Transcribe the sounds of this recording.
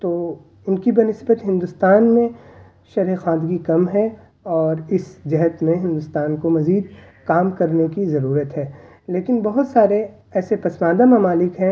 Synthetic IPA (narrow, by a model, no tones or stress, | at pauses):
t̪oː | ʊnkibɐnɪsbət̪ɦɪ̃nd̪ʊst̪aːnmẽ | ʃɐɾɦexãːd̪ɡikɐmɦɛ | ɔːɾɪsd͡ʒɐɦət̪mẽɦɪ̃nd̪ʊst̪aːnkomɐziːd̪ | kaːmkɐɾnekizɐɾuːɾət̪ɦɛː | leːkɪnbɐɦʊt̪saːɾe | ɛːsepɐsmaːd̪amɐmaːlɪkɦɛ̃